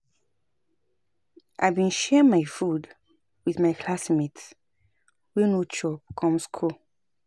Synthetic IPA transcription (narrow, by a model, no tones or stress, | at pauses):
ʔa̰ɪbĩnʃɛĩŋmaɪfud | wiðmaɪkʰlasmit | wɛnot͡ʃɔb̚kʰɔ̃mskʰu